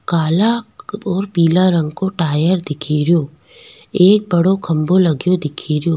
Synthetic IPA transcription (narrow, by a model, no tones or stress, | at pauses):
kaːlaɔːɾpiːlaɾɐ̃ŋɡkoʈaːjəɾd̪ɪkʰeːɾjoː | eːk̚bɐɽokʰɐ̃mbolɐɡjod̪ɪkʰeːɾjoː